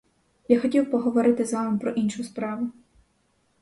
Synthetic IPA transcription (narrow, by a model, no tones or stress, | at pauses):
jaxɔtʲiwpɔɦɔʋɔɾɪt̪ɪzaʋɐmpɾɔʔinʃʊspɾɑʋʊ